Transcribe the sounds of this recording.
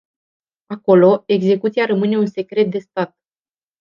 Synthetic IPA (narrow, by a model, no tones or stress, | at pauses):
ako̞lo̞e̞ɡze̞kut̪siaɾəmɨne̞unse̞kɾe̞t̪̚d̪e̞st̪at̪̚